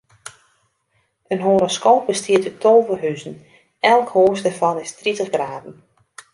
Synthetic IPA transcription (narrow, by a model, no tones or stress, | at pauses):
ənɦoːɾoskoːp̚bəstʰiətətʰoːvərɦyzən̩ | ɛlˠkhoːsdərfɑnɪstritəχɡraːdn̩